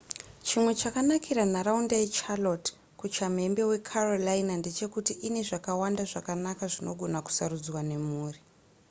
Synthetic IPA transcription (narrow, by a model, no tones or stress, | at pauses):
t͡ʃimwe̞t͡ʃakanakʰiɾanaraundajet͡ʃalot | kut͡ʃame̞mbe̞we̞kʰarolainande̞t͡ʃe̞kutiʔine̞ʐakawandaʐakanakaʐino̞ɡʱo̞naku̥saɾud͡zwane̞muːri